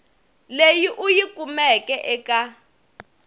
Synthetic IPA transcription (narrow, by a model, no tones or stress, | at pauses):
lejiʔujikʼumɛkʼɛʔɛkʼa